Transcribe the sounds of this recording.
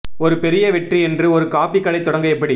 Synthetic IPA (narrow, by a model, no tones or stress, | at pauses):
ɔɾɯpɛɾɪjɐʋɛʈriɛndrɯɔɾɯkaːpikːɐɭɐɪt̪ːɔɽɐŋɡɐɛpːɐɽi